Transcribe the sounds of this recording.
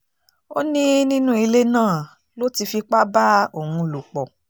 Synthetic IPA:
o˦nĩ˦nĩ˦nũ˦i˧le˦nãː˦˨ | lo˦ti˧fi˧k͡pa˦ba˦o˦˨hũ˧˨lu˨k͡pɔ˨

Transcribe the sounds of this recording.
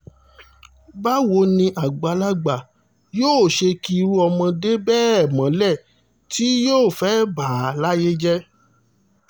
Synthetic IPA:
ba˦wo˧˦nĩ˧ʔa˨ɡ͡ba˨la˦ɡ͡ba˨ | joː˦˨ʃe˧ki˧ɾu˦ɔ˧mɔ̃˧de˦bɛː˦˨mã˨˦lɛ˦˨ | ti˦joː˦˨fɛ˨˦baː˨˦la˦je˦d͡ʒɛ˦

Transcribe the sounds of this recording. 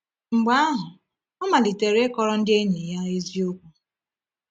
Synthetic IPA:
ŋ͡m̩˨ɡ͡ba˦a˦ɦʊ˨ | ɔ˦ma˨li˨te˨ɾe˦kɔ˦ɾɔ˦n̩˦dɪ˦e˦ɲi˨ja˦e˦zi˦o˦kʷu˦

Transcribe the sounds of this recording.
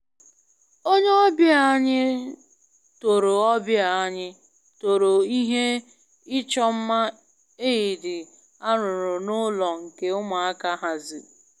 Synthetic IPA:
o˦ɲe˦ɔ˦bja˨a˦ɲɪ˦ | to˨ɾo˨ɔ˦bja˨a˦ɲɪ˦ | to˨ɾo˨i˦ɦe˦ | ɪ˦t͡ʃɔ˦m̩˦ma˦ | e˦i˨dɪ˨ | a˦ɾʊ˨ɾʊ˨nʊ˦lɔ˨ŋ̩˨ke˦ʊ˦ma˨a˦ka˦ɦa˨zɪ˨

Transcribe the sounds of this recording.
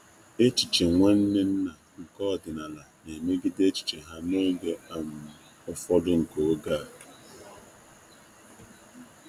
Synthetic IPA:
e˦t͡ʃi˨t͡ʃe˨ŋʷa˦n̩˦ne˦n̩˦na˨ŋ̩˨kɔ˦˨dɪ˨na˨la˨ne˨me˦ɡɪ˦de˦t͡ʃi̥˨t͡ʃe˨ɦa˦no˦ɡe˨a˦m̩˨ɔ˦fɔ˦dʊ˦ŋ̩˨ko˨o˦ɡa˦˨

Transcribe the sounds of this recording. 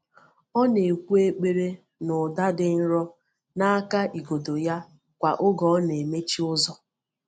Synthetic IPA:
ɔ˦ne˨kʷu˦e˦k͡pe˦ɾe˦ | nʊ˨da˦dɪ˨n̩˦ɾɔ˦ | na˦a˦ka˦ʔi˨ɡo˨do˨ja˦ | kʷa˨ʔʊ˦ɡɔ˦ne˨me˦t͡ʃi˦ʊ˦zɔ˦

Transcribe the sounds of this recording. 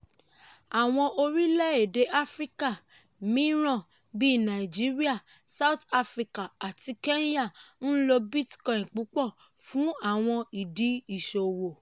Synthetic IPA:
a˨w̃ɔ̃˧ʔo˧ɾi˦lɛ˦e˦˨de˨˦ʔa˦fɾi˦ka˦˨ | mĩ˦ɾ̃ɔ̃˦˨ | bi˦˨nã˨i˨d͡ʒi˦ɾi˦a˦˨ | sa˦u˦˨ta˧fɾi˧ka˨a˨ti˧ke˦ja˦˨n̩˦lo˧bi˦tkɔ̃˨ĩ˨k͡pu˨˦k͡pɔ˦˨ | fũ˨˦a˦˨w̃ɔ̃˧i˨di˨˦i˦˨ʃo˨wo˨

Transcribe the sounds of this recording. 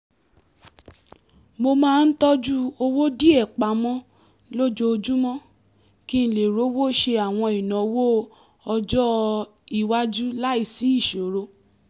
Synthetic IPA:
mo˧mãː˦˧n̩˦tɔ˦d͡ʒu˦o˧wo˦di˦ɛ˦˨k͡pa˨˦mɔ̃˦ | lo˦d͡ʒo˧o˧d͡ʒu˦mɔ̃˦ | ki˦n̩˦le˨ɾo˦wo˦ʃe˧a˨w̃ɔ̃˧i˨nã˨o˧˦wo˦ | ɔ˧d͡ʒɔ˦ | i˨wa˦d͡ʒu˦la˦i˦˨si˨˦i˦˨ʃo˨ɾo˧˦

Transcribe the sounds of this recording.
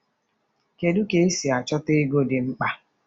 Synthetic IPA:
ke˨du˦ke˨i˦si˨a˨t͡ʃɔ˦te˦ɡo˦˨dɪ˨ŋ͡m̩˦k͡pa˦

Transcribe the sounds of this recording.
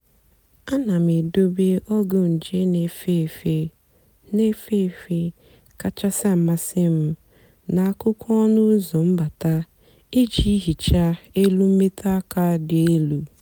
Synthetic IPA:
a˦na˨m̩˨e˨do˦be˦ʔɔ˦ɡʊ˦n̩˨d͡ʒe˦ne˨fe˦˨fe˦ | ne˦fe˦˨fe˦ | ka˦t͡ʃa˦sa˦m̩˨ma˦sɪ˦m̩˦ | na˨a˦kʊ˦kʰʷɔ˦nʊ˦zɔ˨m̩˦ba˨ta˦ | e˦d͡ʒi˦ɦi˨t͡ʃa˦e˦lu˦m̩˦me˦ta˦ka˦dɪ˨e˦lu˨

